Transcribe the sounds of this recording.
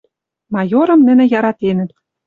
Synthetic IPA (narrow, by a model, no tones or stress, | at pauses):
mɑjoɾɤ̆mnɘ̆nɘ̆jɑɾɑt̪enɘ̆t̪